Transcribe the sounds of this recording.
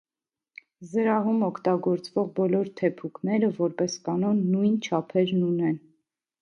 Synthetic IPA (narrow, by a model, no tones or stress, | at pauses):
zəɾɑɦumɔkʰt̪ɑɡɔɾt͡svɔʁbɔlɔɾt̪ʰɛpʰukʰnɛɾəvɔɾpɛskɑnɔnːujnt͡ʃʰɑpʰɛɾnunɛn